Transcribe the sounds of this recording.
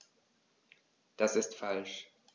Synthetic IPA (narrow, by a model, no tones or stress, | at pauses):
d̥asɪstfalʃ